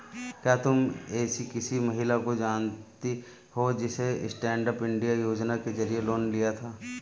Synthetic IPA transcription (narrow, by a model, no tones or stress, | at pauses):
kjaːt̪ʊmeːsikɪsimɐɦɪlakod͡ʒaːnt̪i | hod͡ʒɪseɪ̰sʈɛ̃ːɳɖəpɪ̃ɳɖijajoːd͡ʒnakezɐɾijeloːnlijat̪ʰaː